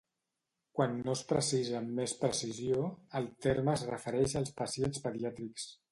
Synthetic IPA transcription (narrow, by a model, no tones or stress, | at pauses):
kwanːospɾə̰sizəmːespɾəsizjoəlˠt̪eɾməːzrəfəɾɛʃəlˠspəsienspəðiat̪ɾiks